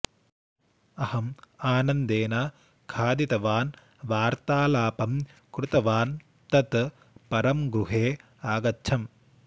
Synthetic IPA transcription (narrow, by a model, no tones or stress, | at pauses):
ɐhɐmaːnɐnd̪eːna | kʰaːd̪it̪ɐʋaːn | ʋaːɾt̪aːlaːpɐm | kɾut̪ɐʋaːn | t̪ɐt̪ | pɐɾɐmɡɾuɦeː | aːɡɐtːʃʰɐm